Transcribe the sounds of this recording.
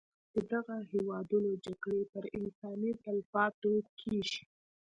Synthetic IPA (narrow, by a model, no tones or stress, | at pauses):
d̪̥əd̪aɣahewɑd̪unod͡ʒaɡɽepəɾɪnsɑnit̪alfɑt̪okʰeʃi̥